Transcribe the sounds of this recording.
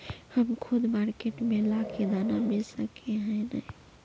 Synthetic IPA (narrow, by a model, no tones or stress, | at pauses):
həmkʰud̪maɾkeʈmelakʰed̪anabesəkeɦənəj